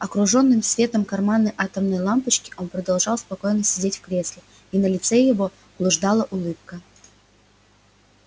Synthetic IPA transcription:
ɐkɾʊʐo̞nːɨmsvʲe̞t̪əmkɐrmanːəjʔat̪əmnəjlˠampət͡ɕkʲɪ̥ʔo̞npɾəd̪ɐlˠʐɑlˠspɐko̞jnəsʲɪdʲetʲfkɾʲe̞slʲɪ | inəlʲɪt̪sɛjɪvo̞ | blˠʊʐd̪alˠəʔʊlˠɨp̚kə

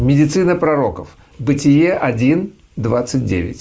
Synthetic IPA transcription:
mʲɪdʲɪt̪sɨnəpɾɐɾo̞kəf | bɨtʲɪjeʔɐdʲin | d̪vat̪sɨt̚ʲdʲḛvʲɪ̰tʲ

